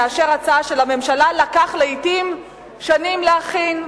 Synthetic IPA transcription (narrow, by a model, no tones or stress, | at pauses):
aʃeʁat͡saaʃe̞lame̞mʃalalakaχleitim | ʃanimleaχin